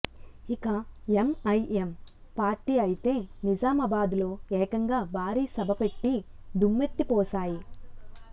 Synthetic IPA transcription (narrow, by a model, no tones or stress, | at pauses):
ikɐemɐjʔempaːɾʈiːɐjit̪e̞ːnid͡ʒaːmɐbaːd̪lo̞ːɛːkɐŋɡaːbʱaːɾiːsɐbʱɐpe̞ʈːid̪umːet̪ːipɔːsaːji